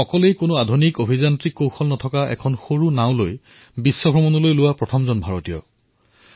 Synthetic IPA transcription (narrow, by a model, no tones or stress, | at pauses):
ɔkɔlejkʊnʊadʱunikobʱizantɹikːowxʰɔlnɔtʰɔkaʔɛ̰kʰɔnxoɹunaʊ̃loj | bisːɔbʱɹɔmɔnulojlʊwapɹɔtʰɔmzɔnbʱaɹotijɔ̰